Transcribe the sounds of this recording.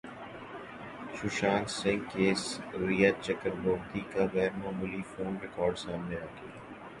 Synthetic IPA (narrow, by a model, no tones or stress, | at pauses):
ʃʊʃaːnsɪ̃ŋɡkeːsɾijat͡ʃɐkəɾboːbd̪ikaʋɛːɾmaːmuːlifoːnɾɪkɔːɾɖsaːmneɾɐkʰeː